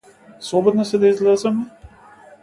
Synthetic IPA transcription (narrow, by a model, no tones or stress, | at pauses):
sˠɔbɔd̪nɔsɛd̪aizlɛzɛmɛ